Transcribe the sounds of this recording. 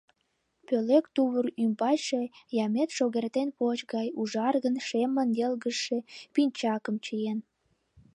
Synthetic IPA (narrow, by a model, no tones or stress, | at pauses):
pølekt̪uβurymbɑjʃejɑmet̪ʃoɣert̪enpot͡ɕɣɑjuʒɑrɣənʃemənjelɣəʃe̽pinʲt͡ɕɑkəmt͡ɕəjen